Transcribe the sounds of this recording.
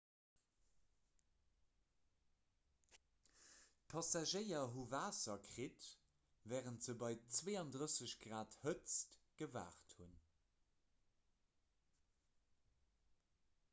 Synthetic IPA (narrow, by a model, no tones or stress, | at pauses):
tpʰɑsaʒəɪɐɦuvaːsɐkʁit | vɛːʁəntz̥əbɑɪt͡sveːɑndʁəsəɕɡʁaːthət͡stɡ̥əva̰ːχthun